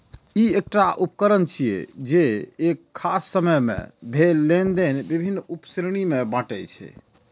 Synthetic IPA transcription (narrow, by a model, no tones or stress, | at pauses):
iek̚ʈaʔupkəɾənt͡ʃʰiḛd͡ʒeːkʰːasːəməjmḛ̃bʱelːend̪enbibʱinːupsɾɽ̃imebãʈɛjt͡ʃʰɛ̰